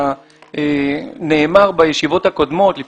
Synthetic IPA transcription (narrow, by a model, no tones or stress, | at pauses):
ene̞ːmaʁbajeʃivo̞thako̞d̪mo̞t̪lif